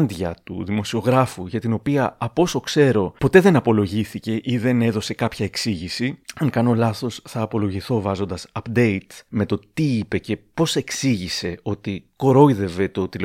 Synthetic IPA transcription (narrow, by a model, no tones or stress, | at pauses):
nðʝɐ̰t̪ṵðimo̞sio̞ɣɾɐfuʝɐt̪ino̞piɐɐpo̞so̞kse̞ɾo̞po̞t̪e̞ðe̞nɐpo̞lo̞ʝiθice̞ʔiðe̞ne̞ðo̞se̞kɐpçɐe̞ksiʝisiɐŋkɐno̞lɐθo̞sθɐːpo̞lo̞ʝiθo̞vɐzo̞nd̪ɐsɐpd̪e̞it̪me̞t̪o̞t̪iipe̞ce̞po̞se̞ksiʝise̞o̞t̪iko̞ɾo̞iðe̞vet̪o̞t̪il